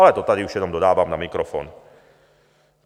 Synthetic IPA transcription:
alɛt̪ɔt̪ad̪iuʃɛd̪ɔmd̪ɔd̪aːʋamna̰mikɾɔfɔ̰ːn

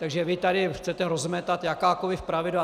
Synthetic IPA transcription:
t̪aɡʒɛvɪt̪adɪxt͡sɛt̪ɛɾozmɛt̪at̪jakaːkolɪfpɾavɪda

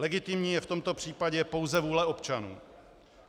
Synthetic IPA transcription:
lɛɡɪt̪ɪmɲiːjɛft̪o̞mt̪o̞pr̥iːpaɟɛpo̞wzɛvuːlɛo̞pt͡ʃanṵː

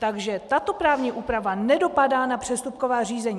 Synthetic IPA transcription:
t̪aɡʒɛt̪at̪o̞pɾaːvɲiʔuːpɾavanɛdo̞padaːnapr̥ɛst̪up̚ko̞vaːr̝iːzɛɲi

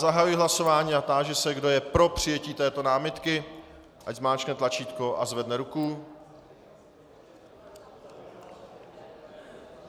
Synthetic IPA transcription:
zaɦajujɪɦlaso̞vaːɲiːat̪aːʒɛsɛɡdo̞jɛpɾo̞pr̝̥ɪjɛciːt̪ɛːt̪o̞naːmɪt̪kɪ | ʔaɟzmaːt͡ʃknɛt̪lat͡ʃiːt̪koʔazvɛdnɛɾuku

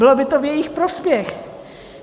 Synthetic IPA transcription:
bɪlobɪt̪ovjɛjɪxpɾospjɛx

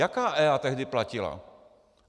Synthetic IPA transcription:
jakaːʔɛːat̪ɛɦdɪplacɪla̰

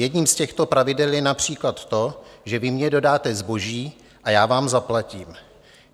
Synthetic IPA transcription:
jɛdɲiːmscɛxt̪o̞pɾavɪdɛljɛnapr̝̥iːklat̪ːo̞ʒɛvɪmɲɛdo̞daːt̪ɛzbo̞ʒiː | ʔajaːvaːmzaplaciːm

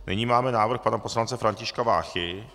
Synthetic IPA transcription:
nɪ̰ɲiːmaːmɛnaːvr̩xpanaposlant͡sɛfɾaɲcɪʃkavaːxɪ

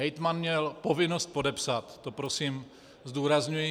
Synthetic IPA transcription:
ɛjt̪manmɲɛlpo̞vɪno̞st̪̚po̞dɛpsat̪ːopɾosiːm | zd̪uːɾazɲujɪ

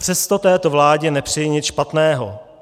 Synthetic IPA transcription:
pr̝̥ɛst̪o̞t̪ɛːt̪o̞vlaːɟɛnɛpr̝̥ɪjɪɲɪt͡sʃpat̪nɛːɦo̰

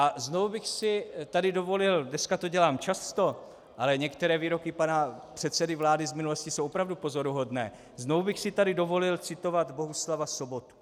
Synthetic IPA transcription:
ʔaznovubɪxsɪt̪adɪdo̞vo̞lɪldnɛskat̪o̞ɟɛlaːmt͡ʃast̪o̞ | ʔalɛɲɛkt̪ɛɾɛːviːɾo̞kɪpanapr̥ɛt̪sɛdɪvlaːdɪzmɪnuloscisowʔopɾavdupo̞zo̞ɾuɦo̞dnɛː | znovubɪxsɪt̪adɪdo̞vo̞lɪlt͡sɪt̪o̞vad̪bo̞ɦuslavaso̞bo̞t̪u̥

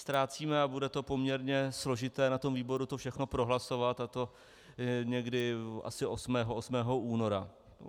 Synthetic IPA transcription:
st̪ɾaːt͡siːmɛabudɛt̪o̞po̞mɲɛɾɲɛslo̞ʒɪt̪ɛːnat̪o̞mviːbo̞ɾut̪o̞fʃɛxno̞pɾo̞ɦlaso̞vat̪at̪o̞ | ɲɛɡdɪʔa̰sɪʔo̞smɛːɦoosmɛːɦo̞ʔuːno̞ɾa

